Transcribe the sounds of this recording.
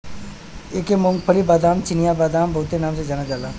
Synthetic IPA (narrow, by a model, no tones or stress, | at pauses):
eːkemʊŋɡpʰəlibaːd̪aːmt͡ʃɪnijabaːd̪aːmbɐɦʊt̪ːenaːmsed͡ʒanad͡ʒaːlaː